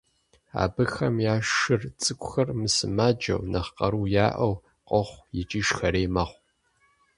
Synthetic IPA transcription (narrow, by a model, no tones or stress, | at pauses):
a̰ːbɨxɐmjaːʃɨrt͡sʼɨkʷʼʊxɐrmɨsɨmad͡ʒɐ̰wnɐχqɐɾuːjaːʔɐw | qʷʼɔχʷjɪt͡ʃʼiːʃxɐɾeːmɐχʷ